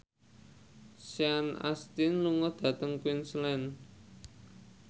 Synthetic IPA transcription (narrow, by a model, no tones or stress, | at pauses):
sjana̰st̪inluŋɔd̪̥ä̤t̪əŋkwinslɛn